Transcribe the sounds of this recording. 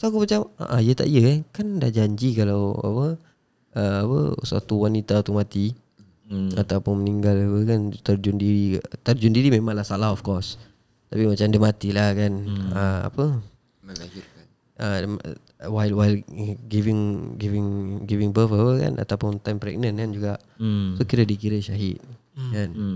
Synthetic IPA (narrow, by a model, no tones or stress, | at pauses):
soakumat͡ʃama̰ʔajət̪a̰ʔijəkankandahd͡ʒaɲd͡ʒikalawa̰pə | əapə̰swa̰t̪uwanit̪at̪umat̪i | at̪awpʊnməniŋɡalapəkant̪ərd͡ʒʊndiɾit̪ərd͡ʒʊndiɾimemãŋlahsalaɦɔfkɔs | t̪apimat͡ʃamdəmat̪ilahkanəa̰pə | əm | wajlwajlɡivɪŋɡivɪŋɡivɪŋbəfəpəka̰nʔa̰t̪awpʊnt̪ajmpɾɛ̰ɡ̚nənkand͡ʒuɡaʔ | sokiɾədikiɾəʃaɦɪt̪̚ | kan